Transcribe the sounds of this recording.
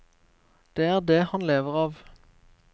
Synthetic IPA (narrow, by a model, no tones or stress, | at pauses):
d̪̥eːæːʁd̪eːhɑnleːʋəʁɑːʋ